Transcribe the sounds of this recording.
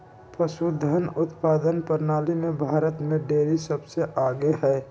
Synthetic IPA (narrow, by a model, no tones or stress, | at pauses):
pɾəsud̪ʱənʊt̪paːd̪ənpəɾnaːlimebʱaːɾət̪mẽɖeːɾisəbseʔaːɡeɦɛː